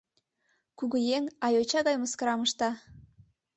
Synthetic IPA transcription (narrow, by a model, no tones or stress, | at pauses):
kuɣəjeŋɑjot͡ɕɑɣɑjməskɤɾɑməʃt̪ɑ